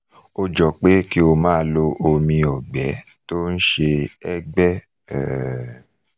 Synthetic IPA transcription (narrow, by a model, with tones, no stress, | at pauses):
o˧d͡ʒɔ˨k͡pe˦ki˦o˧˨mãː˦lo˧ʔo˧mĩ˧ɔ˨ɡ͡bɛ˨˦ | to˦n̩˦ʃe˧ɛ˦ɡ͡bɛ˦ | ɛ̰˦˨